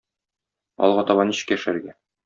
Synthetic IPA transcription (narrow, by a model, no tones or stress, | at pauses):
ɒ̰lˠʁɑɒt̪ɑβɑniɕɘ̥̆kæʃæɾɡæ